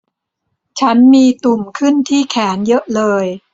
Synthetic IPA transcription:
t͡ɕʰa˦˥nmiː˧t̪u˨˩mkʰɯ˥˩nt̪ʰiː˥˩kʰɛː˩˦njɤ˦˥ʔlɤː˧j

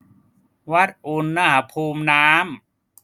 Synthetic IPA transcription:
wa˦˥t̪̚ʔu˧nːa˦˥˩ɦa˨˦pʰuː˧mnaː˦˥m

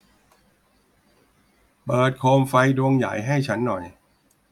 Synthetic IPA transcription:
pɤː˨˩t̪̚kʰoː˧mfa˧jdu˧əŋja̰˨˩˦jɦa˥˩jt͡ɕʰa˦˥nːɔ˨˩j

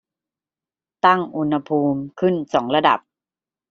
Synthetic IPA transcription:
t̪a˥˩ŋʔu˧nha˧pʰuː˧mkʰɯ˥˩nsɔː˩˦ŋɾa˧da̰˨˩p̚

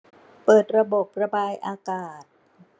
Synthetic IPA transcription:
pɤː˨˩t̪̚ɾa˧bo˨˩p̚ɾa˧baː˧jʔaː˧kaː˨˩t̪̚

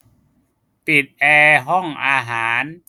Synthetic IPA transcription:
pi˨˩t̪̚ʔɛː˧ɦɔ˥˩ŋʔaː˧ɦaː˩˦n

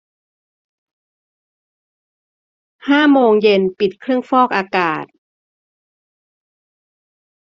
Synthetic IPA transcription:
haː˥˩moː˧ŋje˧npi˨˩t̪̚kʰɾɯ˥˩əŋfɔː˥˩k̚ʔaː˧kaː˨˩t̪̚

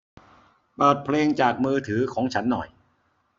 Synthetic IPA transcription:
pɤː˨˩t̪̚pʰleː˧ŋt͡ɕaː˨˩k̚mɯː˧t̪ʰɯː˩˦kʰɔː˩˦ŋt͡ɕʰa˦˥nːɔ˨˩j

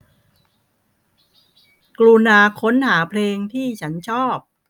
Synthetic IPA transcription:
kluː˧naː˧kʰo˦˥nhaː˩˦pʰleː˧ŋt̪ʰiː˥˩t͡ɕʰa˦˥nt͡ɕʰɔː˥˩p̚

